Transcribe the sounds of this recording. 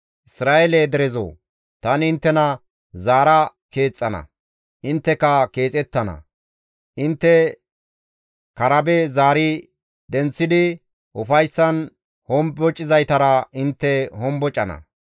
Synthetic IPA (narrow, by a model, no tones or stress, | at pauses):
ʔɪsɾaːʔeled̪ɛɾɛzo̰ː | t̪ɐnɪnt̪ːɛnɐ | zaːɾɐ | ke̞ːt͡sʼːɐnɐ̰ | ʔɪnt̪ːɛkɐke̞ːt͡sʼɛt̪ːɐnɐ̰ | ʔɪnt̪ːɛ | kɐɾɐbɛzaːɾɪ | d̪ɛnt͡sːɪd̪ɪ | ʔʊfɐjsːɐn | hɔmbɔt͡ʃʼɪzɐjt̪ɐɾɐɪnt̪ːɛhɔmbɔt͡ʃʼɐnɐ̰